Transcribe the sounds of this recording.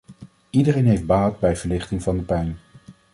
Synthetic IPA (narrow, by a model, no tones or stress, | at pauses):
idərejnɦejfd̚baːdbɛjv̥əɹlɪχtɪŋvɑndəpɛjn